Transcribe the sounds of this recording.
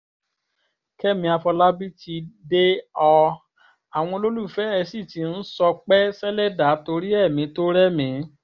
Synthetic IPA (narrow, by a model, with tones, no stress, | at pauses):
kɛ˦mĩ˧a˧fɔ˧la˦bi˦ti˧de˦ɔ˧ | a˨w̃ɔ̃˧lo˦lu˦˨fɛ˨˦ɛ˧si˦˨ti˨˦n̩˦sɔ˧k͡pɛ˦sɛ˦lɛ˦da˨˦to˧ɾi˦ɛ˦˨mĩ˨˧˦to˦ɾɛ˦mĩ˨˦